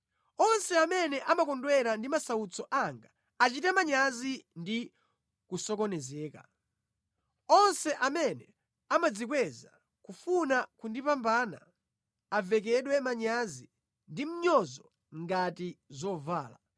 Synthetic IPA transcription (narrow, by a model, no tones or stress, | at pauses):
ɔnsɛamɛnɛʔamakɔndwɛɾandimasaut͡sɔʔaŋɡa | at͡ʃitɛmaɲazindi | kusɔkɔnɛzɛːka̰ | ɔnsɛʔamɛnɛ | amad͡zikwɛza | kufunakundipambaːna̰ː | vɛk̬ɛɗwɛmaɲazi | ndim̩ɲɔzɔ | ŋɡatizɔvaːla